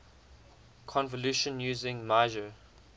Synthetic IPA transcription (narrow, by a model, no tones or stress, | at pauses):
kʰɔ̃nvəljuʃə̃njuːzɪ̃ŋmaɪʒə